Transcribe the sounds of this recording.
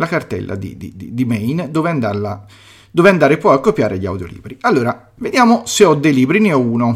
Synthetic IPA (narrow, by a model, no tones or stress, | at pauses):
lakart̪ɛ̰lːʔa̰d̪ḭd̪ḭd̪id̪imɛjnd̪ɔːveand̪aɾla | d̪oːveand̪aːɾepwɔakːopːjaːɾeʎia̰wd̪jo̰lḭːbɾialːoːɾa | ved̪jaːmoseɔd̪ːɛjliːbɾineɔuːno